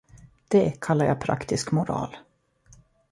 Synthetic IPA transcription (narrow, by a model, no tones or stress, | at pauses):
d̪̥ɛkʰalːaɾja̰pʰɾa̰kt̪ɪskmʊɾɑ̰ːl